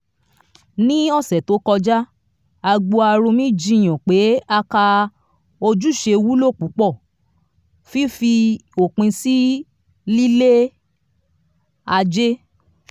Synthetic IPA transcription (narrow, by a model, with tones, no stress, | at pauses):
nĩ˦ɔ˦˨sɛ˨to˨˦kɔ˧d͡ʒa˦ | a˧ɡ͡bo˧a˧ɾo˧mĩ˦˨d͡ʒĩ˧˦˨j̃ɔ̃˨k͡pe˨˦a˧ka˧ | o˧d͡ʒu˦˨ʃe˧wu˦lo˦˨k͡pu˨˦k͡pɔ˦˨ | fi˦fi˧o˨k͡pĩ˧si˦ | li˦le˦ | a˧d͡ʒe˦